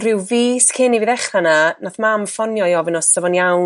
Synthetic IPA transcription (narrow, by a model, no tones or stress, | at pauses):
rɪwviːskʰɪnivɨðɛχrananaθmamfɔnjɔjɔvɪnɔssəvɔnjaw